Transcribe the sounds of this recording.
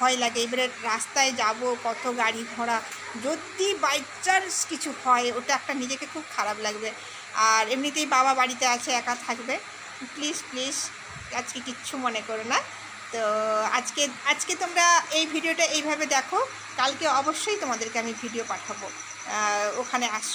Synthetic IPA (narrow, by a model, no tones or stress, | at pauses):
bʱɔelaɡeejbʱaɾeɾast̪aed͡ʑabopɔt̪ʰoɡaɽiɡʱɔɽ̃a | d͡ʑod̪ibaj | t͡ɕaɾskit͡ɕʰuhɔeoʈaɛk̚ʈanid͡ʑekekʰub̚kʰaɾablaɡbe | aɾemnit̪ejbaβabaɽit̪eat͡ɕʰeɛkat̪ʰakbe | pliʃpliʃ | ad͡ʑkekiːɕʰumonekoɾena | t̪oad͡ʑkead͡ʑket̪omɾaejbʱiɖioʈaejbʱabed̪ɛkʰo | kalkeɔboʃːojt̪omad̪eɾkeamibʱiɖiopaʈʰabo | okʰaneaʃ